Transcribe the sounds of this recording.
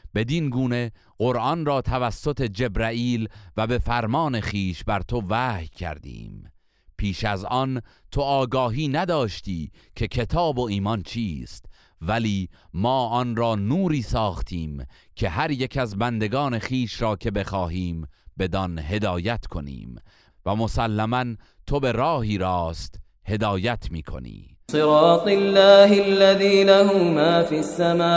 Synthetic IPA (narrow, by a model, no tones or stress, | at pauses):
b̥e̞d̪inɡuːne̞ | ɢoɾʔɒnrɒːt̪ʰævæsːo̞t̪ʰe̞d͡ʒe̞bɾæiːlvæbe̞fæɾmɒːne̞χiːʃbæɾt̪ʰo̞væːhjcʰæ̰ɾd̪ḭːm | pʰiːʃæzɒn | t̪ʰo̞ɒːɡɒːɦiːnæd̪ɒːʃt̪iːkʰe̞kʰe̞t̪ʰɒːbo̞iːmɒnt͡ʃʰiːst̪ | væliːmɒːʔɒnɾɒːnuːɾiːsɒːχt̪ʰiːm | cʲʰe̞ɦæɾjekʰæzbænd̪e̞ɡɒːne̞χiːʃɾɒːkʰe̞be̞xɒːɦiːmbe̞d̪ɒnɦe̞d̪ɒːjæt̪ʰkʰo̞̰nḭːm | væmo̞sælːæmæn | t̪ʰo̞be̞ɾɒːɦiːɾɒːst̪ | he̞d̪ɒːjæt̪ʰmiːkʰo̞̰nḭː | sɨɾɑːt̪ˤɪlːaːhɪlːaðiːnahʊʊmaːfisːamaː